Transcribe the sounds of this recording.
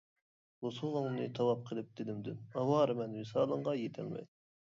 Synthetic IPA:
wosulˠɨŋnɨt̪ʰɑwɑp̚qʰəlˠɨp̚d̪̥ɪd̪ɪmd̪ynɑwɑːɾɨmɛnmɪsɑːlˠəɴʁɑjet̪ʰɛ̰lmɛ̰j

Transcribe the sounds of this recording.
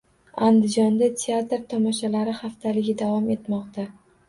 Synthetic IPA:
and̪ɪd͡ʒɒnd̪at̪ʰeat̪ɾt̪ʰɒmɒʃalaɾɪχaft̪ʰalɪɡʲɪd̪avɒme̞t̪mɒqt̪a

